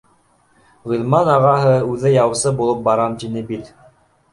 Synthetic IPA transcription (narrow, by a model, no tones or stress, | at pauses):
ʁulmɑnɑʁɑɦɤʉðɘjɑwɤ̆sɤbulˠɤp̚bɑɾɑmt̪inɘbit̪